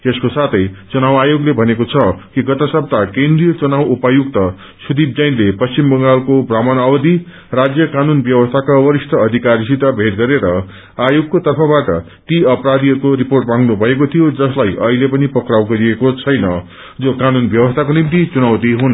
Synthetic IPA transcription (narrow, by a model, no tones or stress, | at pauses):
t̪eskosat̪ʰʌjt͡sunawajoɡlebʱʌnekot͡sʰʌkiɡʌt̪ʌsʌb̚t̪akẽnd̪rijʌt͡sunawupajuɡt̪ʌ | sud̪ib̚d͡zʌjnlepʌst͡simbʌŋɡalkobramʌnawʌd̪i | rad͡zjʌkanunbjʌwʌst̪ʰakawʌɾist̪ʰʌːd̪ʱikaɾisit̪abʱeʈ̪̚ɡʌɾeɾʌ | ajoɡ̚kot̪ʌrpʰʌbaʈʌ̰ | t̪iʌpɾad̪iɦʌɾukoɾiporʈmãŋɡnubʱʌekot̪ʰijod͡zʌslajʔʌɦilepʌnipʌkrawɡʌɾiekot͡sʰʌjnʌ | d͡zokanunbjʌwʌst̪ʰakonimt̪it͡sunawt̪iɦun